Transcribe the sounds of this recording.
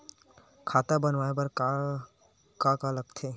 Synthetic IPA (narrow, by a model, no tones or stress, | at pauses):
kʰaːt̪abənʋaːepɐɾ | kakaləkt̪ʰeː